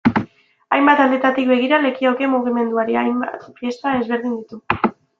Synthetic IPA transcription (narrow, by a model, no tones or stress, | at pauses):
ajmbat̪ald̪e̞t̪at̪ik̚be̞ɣ̞iɾale̞kioke̞muɣ̞ime̞nd̪uaɾiajmat̪fje̞st̪ae̞zβe̞ɾð̞ind̪it̪u